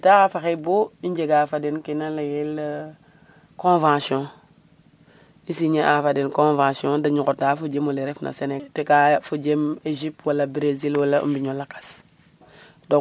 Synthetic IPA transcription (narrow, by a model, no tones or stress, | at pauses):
tafaxeboiɲd͡ʒeɡafadenkinalajel | kõvãsiɔ̃ | isiɲeʔafadenkõvãsiõdaɲukodafod͡ʒemoleɾefnʔa̰senetekafod͡ʒemed͡ʒip̚twalabɾezilwalaʔṵmbiɲolakḁs | do